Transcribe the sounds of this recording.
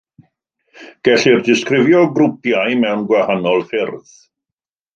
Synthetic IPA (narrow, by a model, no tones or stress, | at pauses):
ɡ̥ɛɬirdɪskrɪvjɔɡɾʊpjajmɛwnɡwahanɔlˠfɪrθ